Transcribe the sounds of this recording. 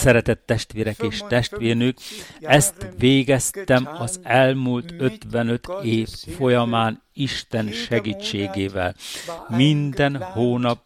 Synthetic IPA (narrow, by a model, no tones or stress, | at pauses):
sɛɾɛt̪ɛt̪ːɛʃt̪ʋeːɾɛkeːʃt̪ɛʃt̪ʋeːrnykɛst̪ʋeːɡɛst̪ɛmɒzɛlmuːlt̪ø̞t̪ʋɛnø̞t̪ʰeːfːo̞jɒmaːn | iʃt̪ɛnʃɛɡiːt͡ʃːeːɡeːvɛ̰lmind̪ɛnhoːnɒp